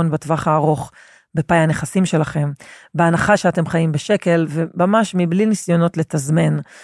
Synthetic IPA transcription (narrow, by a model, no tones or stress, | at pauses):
onbatvaχaːʁo̞χ | bepajane̞χasimʃe̞laχe̞mbeanaχaʃeate̞mχajimbeʃe̞ke̞lve̞mamaʃmiblinisjo̞no̞tle̞tazme̞n